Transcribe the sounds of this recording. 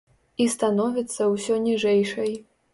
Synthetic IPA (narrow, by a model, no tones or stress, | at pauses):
ist̪anɔvʲit̪sːɐwsʲɔnʲiʐɛjʂɐj